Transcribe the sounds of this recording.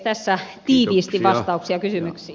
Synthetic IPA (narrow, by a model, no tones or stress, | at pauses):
t̪æsːæt̪iːʋiːst̪iʋʋɑst̪ɑuksiɑkysymyksiː